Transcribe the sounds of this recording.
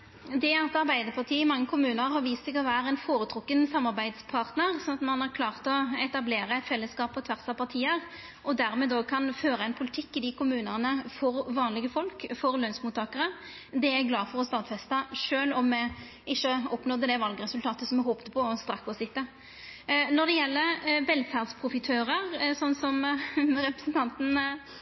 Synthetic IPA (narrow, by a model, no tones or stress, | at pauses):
d̪ɛæɛt̪ɑɾbæɪd̪əɾpʰɑʁt̪ʰiːɪmɑŋːəkʰʊmʉːnəɾhɑɾʋiːst̪sɛɡɔʋæːɾəɛnfoːɾʉt̪ʰɾʊkːənsɑmːɑɾbæɪd̪spʰɑʁt̪nəʁsɔnɑt̪mɑnɑɾkʰlɑːʁt̪ɔɛt̪ɑbleːɾəɛtfɛlːəskɑːpɔt̪ʰʋæɾsɑpʰɑʁt̪ʰiːəɾ | ʔɔd̪æɾmɛːd̪ɔkʰɑnføːɾəɛnpʰʊlɪt̪ʰɪkːɪd̪ɪkʊmʉːnənəfɔɾʋɑːnlɪɡəfɔlkfɔɾlœnsmuːt̪ːɑːkəɾə | d̪ɛæɡlɑːfɔʁɔst̪ɑːt̪fɛst̪ɑʂøːlɔmːɛ | ɪçːəɔpːnɔd̪əd̪ɛʋɑlɡəɾɛsʉlt̪ʰɑːt̪əsɔmːɛhoːpt̪əpʰɔɔst̪ɾɑkːɔsɪt̪ːə | nɔʁd̪ɛjɛlːəɾʋɛlfæʁd̪spʰʁʊfɪt̪ʰøːɾəʁsɔnːsɔmɾɛpɾəsn̩t̪ʰɑnt̪n̩